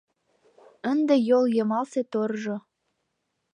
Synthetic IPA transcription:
ənd̪ejoljɤ̆mɑlset̪orʒo

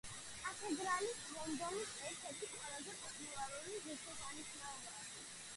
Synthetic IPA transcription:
akʰɛd̪ɾanismɔmd̪ɔmisɛɾt̪ʰɛɾt̪ʰiqʼwɛlˠazɛpʼɔt̪ʼmulaɾuliziɾt̪ʰɔsaniʃnaɔbaʃi

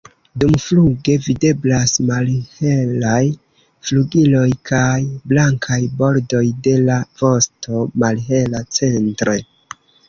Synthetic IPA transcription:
dumfluɡe̞vide̞blasmalhe̞laj | fluɡilo̞jkʰajblaŋkʰajbo̞ɾdo̞jde̞lav̥o̞sto̞malɦe̞lat͡se̞ntɾe̞

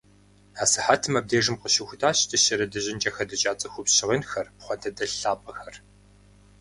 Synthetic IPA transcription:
aːsɨħaːtʰɨmɐb̚deːʐɨmqəʃɪxʷʊtʰaːɕtʰɐɕɐɾɐdɨʑɪnd͡ʒʼɐxɐdɐt͡ʃʼaːt͡sʼɐxʷʊpɕɪʁənxɐrpχʷɔntʰɐdɐɬaːpʼɐxɐr

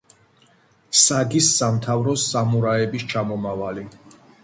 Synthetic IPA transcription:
saɡisːamt̪ʰavɾɔsamuɾaɛbist͡ʃʰamɔmavali

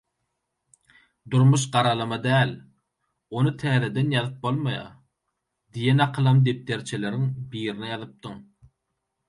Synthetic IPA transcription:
d̪uɾmuʃ̬ɢɑɾɑlˠɑmɑd̪æːl | onɯt̪ʰæːðed̪enjɑðɯp̚bolˠmɑjɑ̰ | d̪ijenɑqʰɯlˠɑmd̪ep̚t̪eɾt͡ʃʰeleɾiŋbiːɾinijɑðɯp̚t̪ɯŋ

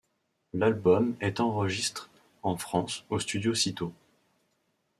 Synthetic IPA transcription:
lalbɔmɛt̪ɑ̃ʁəʒist̪χ | ɑ̃fχɑ̃sost̪yd̪josit̪o

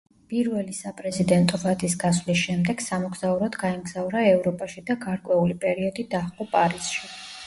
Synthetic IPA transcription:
pʼiɾvɛlisapʼɾɛzid̪ɛnt̪ʼɔvad̪isɡaswlisʃɛmd̪ɛɡ̥samɔɡz̥auɾɔd̪ɡaɛmɡz̥auɾaɛvɾɔpʼaʃid̪aɡaɾkʼwɛulipʼɛɾiɔd̪id̪aχqʼɔpʼaɾisʃi

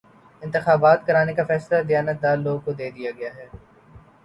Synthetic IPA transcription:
ɪ̃nt̪ɪxaːbaːt̪kɐɾaːnekafɛːslad̪ɪjaːnət̪̚d̪aːloːɡ̚kod̪eːd̪ijaɡɐjaɦɛː

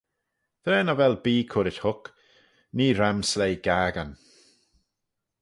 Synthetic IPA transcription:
ð̥ɾɛːnavɛlˠbiːkʰʊɾɪthʊk | niːɾamslejɡ̥aːɡan

